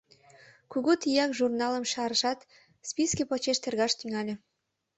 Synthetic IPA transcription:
kuɣut̪ijɑkʒurnɑləmʃɑɾəʃɑt̪ | spiskepot͡ɕeʃt̪ərɣɑʃt̪yŋɑlʲĕ

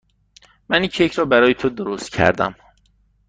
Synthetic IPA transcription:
mænjicʰjecʰɾɒːbæɾɒːjet̪ʰod̪oɾost̪̚cʰæ̰ɾd̪æ̰m

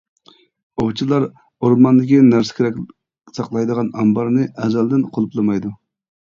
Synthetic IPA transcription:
oʁt͡ʃʰilˠɑɾ | oɾmɑnd̪ɪkʲinæɾsɪ̥kʲʰeɾɛkʲ | sɑqlˠɑjd̪əʁɑnɑmbɑɾnɨʔɛzɛld̪ɪnqʰolˠuplˠɨmɑjd̪u

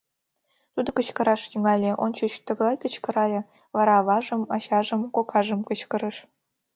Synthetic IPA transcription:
t̪ud̪ɤ̆kə̆t͡ɕkɤ̆ɾɑʃt̪yŋɑlʲeʔont͡ɕyt͡ɕt̪ə̆ɣlˠɑjkə̆t͡ɕkɤ̆ɾɑjɤ̆ | βɑɾɑβɑʒɤ̆mɑɕɑʒɤ̆mkokʰɑʒɤ̆mkə̆t͡ɕkɤ̆ɾə̆ʃ

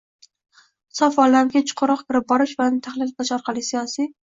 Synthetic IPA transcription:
sɒfɒlamkʲat͡ʃʰɪ̥qʰoɾɒqkʰʲɪɾɪp̚bɒɾɪʃvanɪt̪ʰaχlɪllaʃɒɾqʰɑlˠɪsijɒsi

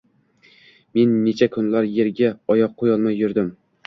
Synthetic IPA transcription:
me̞nːet͡ʃʰakʰʊnlaɾjeɾɡʲaɒjɒq̚ʰːojɒlˠmajːʊɾd̪ɪm

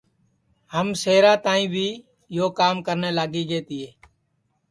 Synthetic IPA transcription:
həmseːɾãːt̪ãːĩːbʱiː | joːkaːmkəɾneːlaːɡiːɡeːt̪iːeː

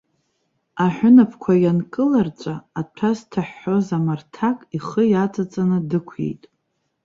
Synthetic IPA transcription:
aħʷᶣʊnapʰkʷʰajankʼɨlart͡ʃʷʼaːtʰaztʰaħːozamartʰakʼiχəjat͡sʼat͡sʼanɨdɨkʷʰjḛjtʼ

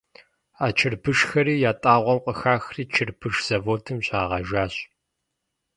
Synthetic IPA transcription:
aːt͡ʃʰɪrbʰɨʂxɐɾiːjaːtʼaːʁʷɔmqʷʼəxaːxriːt͡ʃʰɨrpʰɨʂz̥ɐvoːtʰɨmɕʼaːʁɐʒaːɕ

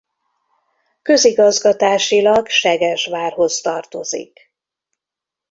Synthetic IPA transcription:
kø̞ziɡɒzɡɒt̪aːʃilɒɡʃɛɡɛʒʋaːrɦo̞st̪ɒrt̪o̞zḭk

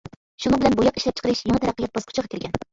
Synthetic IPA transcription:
ʃunɨŋbɪlɛnbujɑqiʃlɛp̚t͡ʃʰə̥qʰəɾɨʃjɑŋɨt̪ʰɛɾæqːəjɑt̪̚bɑskʰʊ̥t͡ʃʰʁɑkʲʰɪɾɡʲɛn

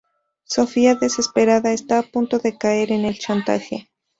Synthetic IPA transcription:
so̞fiaðe̞se̞spe̞ɾaðaest̪aːpunt̪o̞ðe̞kae̞ɾe̞ne̞lt͡ʃant̪a̰xe̞̰

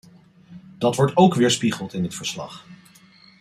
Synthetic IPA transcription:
d̥ɑtʋɔɹtowkʋɪːɹspiχəlˠtɪnətfəɹslɑ̰χ

